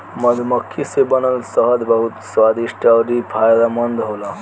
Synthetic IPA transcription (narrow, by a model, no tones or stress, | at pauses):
məd̪ʱməkʰːisebənəlsəɦəd̪bəɦut̪swad̪iʃʈaɾipʰajd̪amənd̪ɦola